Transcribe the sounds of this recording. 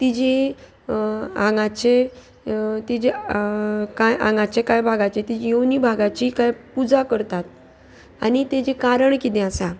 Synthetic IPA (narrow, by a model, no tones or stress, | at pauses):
t̪id͡ʑe | ãŋɡat͡ɕe | t̪id͡ʑe | kajʔãŋɡat͡ɕekajbʱaɡat͡ɕet̪id͡ʑejownibʱaɡat͡ɕiːkajpud͡zakəɾt̪at̪̚ | a̰nit̪ed͡ʑekaɾəɳkit̪ẽasa